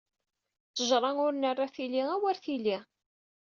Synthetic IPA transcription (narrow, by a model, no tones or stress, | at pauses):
t͡sːəʒɾˤɑŋʊɾnərˤːaθiliæwæɾθili